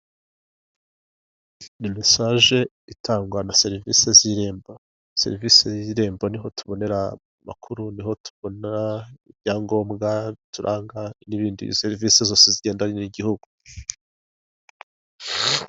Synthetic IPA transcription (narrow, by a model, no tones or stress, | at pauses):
nimisaːʒe̞ | itaːŋɡwanase̞ɾiviseziɾe̞ːmbo | se̞̰ɾivisejiɾe̞ːmbo̞niɦo̞tuβo̞ne̞ɾa | ma̰kʰuɾuniho̞tʰu̥βo̞naibjaːŋɡo̞ːmɡatuɾʔaːŋɡaniβiːndḭseɾivise̞zo̞ːseziɟe̞ːndaniniɟihuɡu